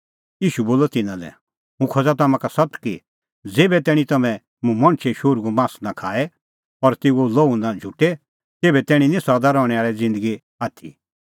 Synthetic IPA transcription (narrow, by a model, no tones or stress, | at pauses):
jiːʃuboːlɔt̪ɪnãlɛ̰ | ɦũkʰɔd͡zat̪ɐmãkasɐt̪ki | d͡zeːbɛt̪ɛːɽ̃ĩt̪ɐmɛ̃ | mũmɐ̃ɽ̃t͡ʃʰeʃoːɾɡumãːsnãkʰaːɛ | ɔɾt̪eːɡoloːunãd͡ʒʱuʈːe | t̪eːbɛt̪ɛːɽ̃ĩnĩsɐd̪aɾɔːɽ̃ɛaːɾɛd͡zɪ̃nd̪əɡi | aːt̪ʰḭ